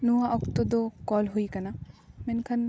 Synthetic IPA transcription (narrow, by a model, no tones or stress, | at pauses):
nuãʔɔkt̪od̪okɔːlɦuikɐnamenkʰɐn